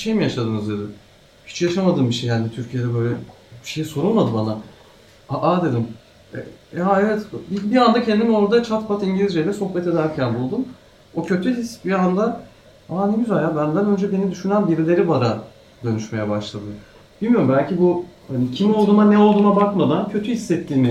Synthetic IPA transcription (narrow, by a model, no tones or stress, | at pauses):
biʃe̞jmijaʃad̪ɯːnɯzd̪ed̪ɪ | hi̥t͡ʃjaʃamad̪ɯːmbiʃejɦanit̪ʰyɾcʰijed̪ɛbø̞jlʲɛ | bʃejiso̞ɾunmad̪ɯbana | aʔad̪e̞d̪im | ɛ̰jaevɛt̪bibiand̪acʰend̪imo̞ɾd̪at͡ʃʰat̪pʰat̪iɲɟilʲizd͡ʒejlʲɛso̞xbɛt̪e̞d̪æɾcʰænbulˠd̪um | o̞cʰø̞t̪ʰyɦisbiand̪a | aneɟʲyzælʲjabænd̪ænø̞nd͡ʒɛbe̞nid̪yʃynænbiɾlʲe̞ɾibaɾa | d̪ø̞nyʃme̞jɛbaʃlˠad̪ɯ | b̥ilʲmijo̞ɾumbælʲcibuhanicʰimo̞lˠd̪uːmanɛo̞lˠd̪uːmabakmad̪ancʰø̞t̪ʰyhisːɛt̪ʰːiːnɪ